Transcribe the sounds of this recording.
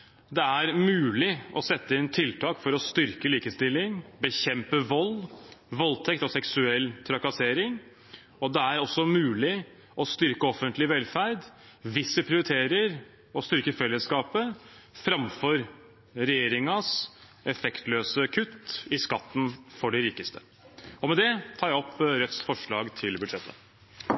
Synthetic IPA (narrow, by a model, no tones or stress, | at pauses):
d̪ɛæɾmʉːlɪʔɔsɛt̪ːəɪnt̪ʰɪlt̪ʰɑːkfɔɾɔst̪ʏɾkəliːkəst̪ɪlːɪŋbəçɛmpəʋɔlʋɔlt̪ʰɛkt̪ɔsɛksʉɛlːt̪ʰɾɑkɑseːɾɪŋ | ɔd̪ɛæɾɔsːɔmʉːlɪ | ʔɔst̪ʏɾkəɔfənt̪lɪʋɛlfæɾd̪ | ʋɪsːəpʰɾɪʊɾɪt̪ʰeːɾəɾ | ɔst̪ʏɾkəfɛlːəskɑːpəfɾɑmfɔɾ | ɾɛjeːɾɪŋɑs | ɛfɛkt̪løːsəkʰʉt̪ːɪskɑt̪ːn̩fɔɖɛɾiːkəst̪ʰə | ɔmɛd̪ɛt̪ʰɑːɾjæɔpɾœt̪sfɔʂɭɑːɡt̪ʰɪlbʉd̪ʂɛt̪ʰːə̰